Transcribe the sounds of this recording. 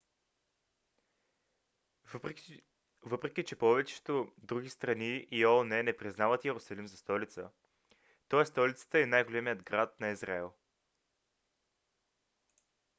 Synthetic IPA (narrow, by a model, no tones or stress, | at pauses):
vɤpɾɛk̟ʲit͡ʃɛpɔvɛt͡ʃɛ̥t̪od̪ɾuɡ̟ist̪ɾɐniːɔnɛnɛpɾiznavət̪jɛɾʊsɐlimzɐst̪ɔlit̪sə | t̪ɔɛst̪ɔlʲit̪sə̥t̪əɛnajɡolɛmijəd̪ɡɾat̪̚nɐizɾaɛlˠ